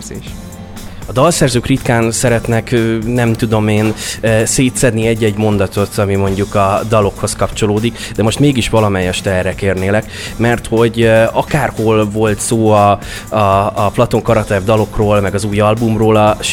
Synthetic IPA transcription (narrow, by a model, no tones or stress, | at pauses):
zḛːʃ | ɒd̪ɒlsɛrzøːkrit̪kaːnsɛɾɛt̪nɛknɛmt̪ud̪o̞meːnseːt̪sɛd̪niɛɟːɛɟmo̞nd̪ɒt̪o̞t̪ɒmimo̞ɲɟukɒd̪ɒlo̞kho̞skɒpt͡ʃo̞loːd̪ik | d̪ɛmo̞ʃt̪meːɡiʃʋɒlɒmɛjɛʃt̪ɛrːɛkeːrneːlɛk | mɛrt̪ho̞ɟɒkaːrho̞lvo̞lt̪soːɒ | ɒːplɒt̪o̞ŋkɒɾɒt̪ɛvd̪ɒlo̞kroːlmɛɡɒzuːjɒlbumroːlɒʃ